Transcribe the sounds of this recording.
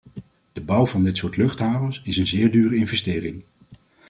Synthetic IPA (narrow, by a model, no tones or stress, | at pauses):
d̥əbʌwvɑndɪtsʊːɹtlɵχtɦaːvəsɪsənzɪːɹdyːrəɪnvɛstɪːɾɪŋ